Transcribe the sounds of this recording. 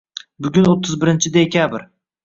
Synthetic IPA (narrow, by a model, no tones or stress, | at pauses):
bʊɡʲʊnot̪ʰːɪzbɪɾɪnt͡ʃʰɪd̪e̞kʲʰabɾ